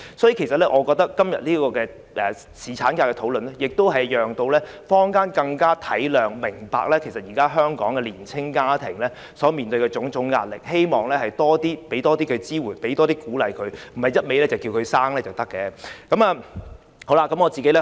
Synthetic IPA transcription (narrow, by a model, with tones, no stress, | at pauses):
sɔː˨˥jiː˨˧kʰe˨˩sɐ˨t̚lɛ˥ʔɔː˨˧kɔː˧k̚t̪ɐ˥kːɐ˥mjɐ̰˨t̚liː˥kɔː˧kɛː˧ | ʔɛː˨ | siː˨˩t͡ʃʰaː˨˥nkaː˧kɛː˧t̪ʰo˨˥wlɵ˨nɛ˥jɪ˨k̚t̪o˥wɦɐ˨jjœː˨ŋt̪o˧wlɛː˦˥ | fɔː˥ŋkaː˥nkɐ˧ŋkaː˥t̪ʰɐ˨˥jlœː˨ŋmɪ˨˩ŋpa̰ː˧k̚lɛː˥kʰe˨˩jsɐ˨t̚jiː˨˩kaː˥ɦœː˥ŋkɔ̰ː˨˥ŋkɛː˧liː˨˩nt͡sʰɪ˥ŋkaː˥t̪ʰɪ˨˩ŋlɛː˥ | sɔː˨˥miː˨nt̪ɵ˧ɥkɛː˧t͡sʊ˨˥ŋt͡sʊ˨˥ŋːaː˧t̚lɪ˨k̚he˥jmɔː˨ŋlɛː˥hɐ˨jt̪ɔː˥t̪iː˥pe˨˥jt̪ɔː˥t̪iː˥kʰɵ˨˧ɥt͡siː˥wuː˨˩npe˨˥jt̪ɔː˥t̪̬iː˥kuː˨˥lɐ˨˩jkʰɵ˨˧ɥm̩˨˩hɐ˨jɐ˥t̚me˨˧jlɛː˥t͡sɐ˨˩wkiː˧wkʰɵ˨˧ɥsaː˥ŋlɛː˥t͡sɐ˨wt̪ɐ˥kːɛː˨˧kɐ˨˥maː˧ | ho˨˧˥la˧kːɐ˨˥mŋɔː˨˧t͡siː˨ke˨˥lɛ˥